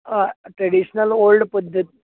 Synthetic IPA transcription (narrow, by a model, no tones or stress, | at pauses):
ʈɾeɽiɕnəlolɖpəd̪ʱːət̪̚